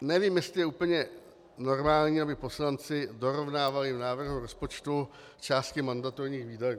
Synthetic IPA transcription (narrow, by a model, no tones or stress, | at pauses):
nɛviːmjɛst̪lɪjɛuːpl̩ɲɛ | no̞ɾmaːlɲiːabɪpo̞slant͡sɪdo̞ɾo̞vnaːvalɪvnaːvr̩ɦuɾo̞spot͡ʃt̪u | t͡ʃaːst̪̚kɪmandat̪oɾɲiːxviːdaju